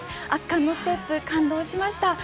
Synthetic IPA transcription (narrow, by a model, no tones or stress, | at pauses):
akːãnːo̞sɨ̥t̪e̞pːɯ̟kãnd̪o̞ːɕimaɕi̥t̪a